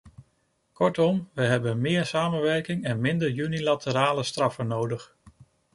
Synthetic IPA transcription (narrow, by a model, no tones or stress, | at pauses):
kɔɹtɔmʋəɦɛbənmɪːɹsaːmənʋɛɹkɪŋɛnmɪndəɹjynilatəɾaːləstrɑfənowdəχ